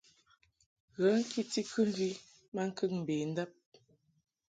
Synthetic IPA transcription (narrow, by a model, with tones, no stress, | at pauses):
ɣə˨˦ŋ̩˦kʰi˦ti˦kʰʉ˦m˦vi˦ | ma˦ŋ̩˦kə˦k̚m̩˨beː˨n̩˦də˦p̚